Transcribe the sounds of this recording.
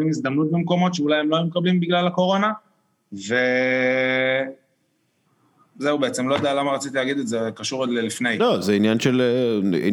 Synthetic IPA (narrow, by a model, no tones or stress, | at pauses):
imis̬d̪ɐmnut̪̚bemko̞mo̞t̪ʃeulajemlojumekablimbiɡlalako̞ʁo̞na | ve̞ | ze̞ubeet͡se̞mlo̞jd̪ealamaʁat͡sit̪ileːɡid̪et̪zekaʃuʁdlelifnejlozeinjanʃeleḭ